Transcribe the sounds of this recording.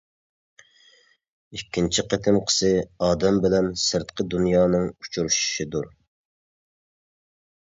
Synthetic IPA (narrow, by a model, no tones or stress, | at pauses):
ikʲʰːint͡ʃʰiqʰət̪ʰɪmqʰə̥sɨɑːd̪ɛmbɪlɛnsɨɾt̪qʰəd̪unjɑːnɨŋut͡ʃʰuɾuʃʃid̪uɾ